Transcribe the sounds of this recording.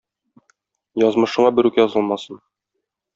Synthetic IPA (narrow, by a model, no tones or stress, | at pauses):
jɒzmɤ̆ʃɤ̆ɴɑbɘ̆ɾʉkjɒzɤlˠmɑsɤn